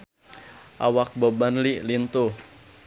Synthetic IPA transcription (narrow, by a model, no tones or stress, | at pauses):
ʔa̰wak̚bobanliʔlint̪uh